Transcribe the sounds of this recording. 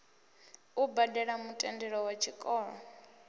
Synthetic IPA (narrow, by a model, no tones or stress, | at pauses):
ubadɛɺamutʼɛndɛɺɔwat͡ʃʰikʼɔːɺɔ